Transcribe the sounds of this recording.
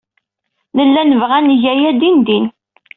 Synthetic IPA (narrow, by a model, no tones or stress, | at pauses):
nəlːænəvʁænʝæjæd̪ind̪in